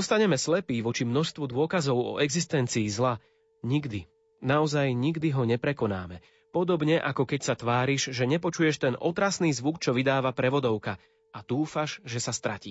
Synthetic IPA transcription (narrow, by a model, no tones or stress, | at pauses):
ɔst̪aɲɛmɛslɛpiːʋɔt͡ʃimnɔʃst̪ʋɔd̪ʊɔkazɔʊɔ̰ʔɛɡzist̪ɛnt͡siːzla | ɲiɡd̪i | naɔzajɲiɡd̪iɦɔɲɛpɾɛkɔna̰ːmɛ | pɔd̪ɔbɲɛʔakɔkɛcsat̪ʋaːɾiʒʒɛɲɛpɔt͡ʃujɛʃt̪ɛnʔɔt̪ɾasniːzʋukt͡ʃɔʋid̪aːʋapɾɛʋɔd̪ɔʊka | ʔat̪uːfaʒʒɛsast̪ɾa̰cḭː